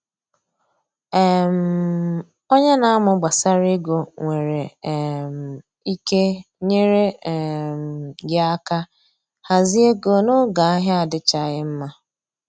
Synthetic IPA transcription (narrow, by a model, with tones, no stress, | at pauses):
ɛ˨m̩˨ | o˦ɲe˦na˨a˦mʊ˨ɡ͡ba˨sa˦ɾi˦ɡo˨ŋʷe˨ɾe˨m̩˨ | i˦ke˦ | ɲe˦ɾe˦˨m̩˨ɡɪ˦a˦ka˦ | ha˨zi˦e˦ɡo˨nʊ˦ɡa˨a˦ɦɪ˦a˨dɪ˦t͡ʃa˦˨ɣɪ˦m̩˦ma˦